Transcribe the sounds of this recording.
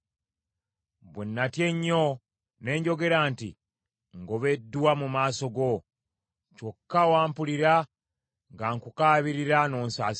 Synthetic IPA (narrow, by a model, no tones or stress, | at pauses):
βwenːatje̞ɲːo | ne̞ːɲɟo̞ɡe̞ɾantḭ | ŋɡo̞βe̞dːuwamumaːso̞ɡo̞ | cokːawaːmpuliɾa | ŋɡaːŋkukaːβiɾiɾano̞ːnsaːs